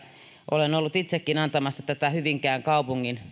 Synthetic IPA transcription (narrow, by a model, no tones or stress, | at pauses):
ʔolenolːut̪it̪sekːinɑnt̪ɑmɑsːɑt̪æt̪æhyʋiŋkæːŋkɑupuŋːin